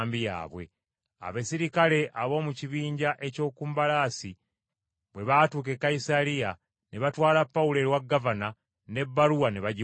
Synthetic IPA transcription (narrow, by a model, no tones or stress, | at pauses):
mbija̰ːβwe̞̰ | a̰βesiɾikale̞ʔaβo̞ːmuciβiːɲɟaʔe̞co̞ːkuːmbalaːsi | βwe̞βaːtuːke̞kːaisalija | ne̞βatwaːlapːaule̞ɾwaɡːavana | ne̞bːaɾuwaneβaɟi